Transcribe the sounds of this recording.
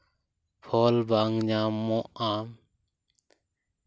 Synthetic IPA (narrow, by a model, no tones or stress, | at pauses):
pʰɔlbaŋɲamːɔʔam